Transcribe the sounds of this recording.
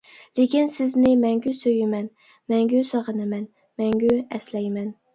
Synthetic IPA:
lekʲʰinsɪznɪmɛŋɡʲysøjɪmɛn | mɛŋɡʲysɑʁənɨmɛn | mɛŋɡʲyɛslɛjmɛn

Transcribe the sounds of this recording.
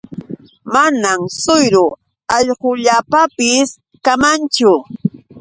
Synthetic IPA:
manamsʊjɾʊ | ɑʎqoʎapapɪs | kamant͡ʃʊ

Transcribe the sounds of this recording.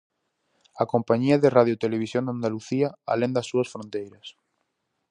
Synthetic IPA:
akompaɲiɐðeraðjot̪eleβ̞isjond̪and̪aluθiaa̰lẽnd̪asːuɐsfɾõnt̪ejɾɐs

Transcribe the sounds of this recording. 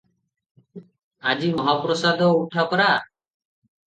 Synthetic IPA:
ad͡ʒimɔɦapɾɔsad̪ɔuʈʰakɔɾa

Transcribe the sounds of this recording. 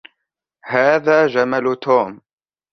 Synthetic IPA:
haːðaːd͡ʒamalt̪ʰuːm

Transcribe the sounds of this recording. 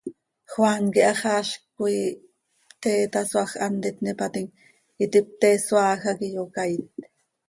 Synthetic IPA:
xwaŋkiʔɑχɑːʃkui | pt̪eːt̪ɑswɑχʔɑnd̪ɛt̪nipat̪iŋ | it̪ip̚t̪ɛːswɑːxɑkijokajt̪

